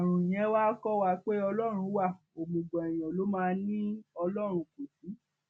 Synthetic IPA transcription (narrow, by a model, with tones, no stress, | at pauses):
a˨ɾ̃ũ˨j̃ɛ̃˨˦wa˦kɔ˦wa˧k͡pe˦ɔ˧lɔ˦ɾ̃ũ˧˦wa˦˨ | o˨mũ˨ɡ͡bɔ̃˨ɛ˨j̃ɔ̃˨lo˨˦mãː˧nĩ˦ɔ˧lɔ˦˨ɾ̃ũ˧ko˨si˨˦